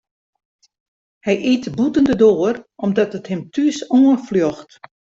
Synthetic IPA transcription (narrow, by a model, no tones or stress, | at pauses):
hɛjʔitbutəndədoːərʔɔmdɔtəthɪmtʰysoəfljoxt